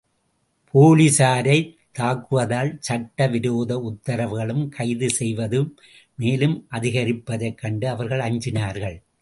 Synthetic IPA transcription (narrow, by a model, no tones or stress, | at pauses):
pʰoːlisaːɾɐɪ | t̪ːaːkːɯʋɐðaːlsɐʈːɐʋɪɾoːðɐʊt̪ːɐɾɐʋɯɣɐɭɯmkʰɐɪðɯsɛjʋɐðɯ | meːlɯmʔɐðɪɣɐɾɪpːɐðɐɪkːɐɳɖɯɐʋɐɾɣɐɭɐɲd͡ʒɪnaːɾɣɐɭ